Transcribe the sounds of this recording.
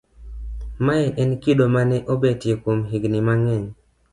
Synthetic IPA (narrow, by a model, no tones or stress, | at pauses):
maɛʔɛnkidomanɛʔobetjekomɦiɡnimaŋɛɲ